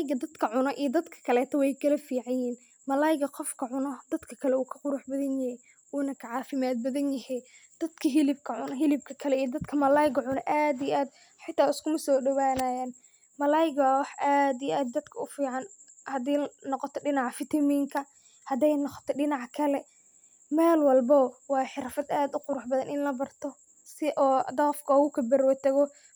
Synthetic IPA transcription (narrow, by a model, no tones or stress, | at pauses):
ɡɐd̪ɐd̪kʰɐʕʊnɔʔijd̪ɐd̪kʰɐ̥kʰɐlɛːt̪ʰɔwɛjkʰɐlɐfiːʕajiːn | mɐlaːjɪɡɐqɔfkʰɐʕʊnɔd̪ɐd̪kʰɐkʰɐlɛuːkʰɐ̥qʊɾʊħbɐðɐnjɐhɛj | uːnɐkʰɐʕɑːfɪmaːd̪̚bɐðɐnjɐhɛ | d̪̥ɐd̪kʰɐɦɪlɪb̚kʰɐʕʊnɔɦɪlɪb̚kʰɐkʰɐlɛijɔd̪ɐd̪kʰɐmɐlaːjɪɡɐʕʊnɔʔaːd̪ijʔaːd̪ | ħɪt̪ʰːaːʊskʰʊmɐsɔːɖɐwaːnaːjaːn | mɐlaːjɪɡwɑħʔaːd̪ijʔaːd̪̚ːɐd̪kʰɐʊfiːʕɑn | hɐd̪ɛjnɔqɔt̪ʰɔɖɪnɑʕɑfɪt̪ʰɐmiːŋkʰɐ | hɐd̪ɛjnɔqɔ̥t̪ʰɔɖɪnɑʕkʰɐlɛ | mɛːlwɑlbɔwɑːħɪɾɐfɐd̪aːd̪ʊqʊɾʊħbɐðɐnʔɪnlɐbɐrt̪ʰɔ | sɪʔɔːd̪ɐfkʰɔɣʊkʰɐbɐɾwɐt̪ʰɐɣɔ